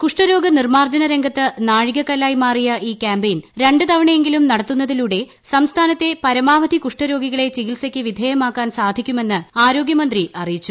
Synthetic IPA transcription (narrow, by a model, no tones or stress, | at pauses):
kuʂʈɐɾo̞ːɡɐnirmaːrd͡ʑɐnɐɾe̞ŋɡʱɐt̪ːɨnaːɻiɣɐkːɐlːaːjmaːrijɐʔiːkʲaːmbejnɾe̞ɳɖɨt̪ɐʋɐɳɐje̞ŋɡilumnɐɽɐt̪ːunːɐðiluːɽe̞ | sɐmst̪ʰaːnɐt̪ːe̞pɐɾɐmaːʋɐd̪ʱikuʂʈɐɾo̞ːɡiɣɐɭe̞t͡ɕiɣilsɐkʲːɨʋid̪ʱeːjɐmaːkːaːnsaːd̪ʱikʲːume̞nːɨaːɾo̞ːɡjɐmɐnd̪riʔɐrijit͡ɕːu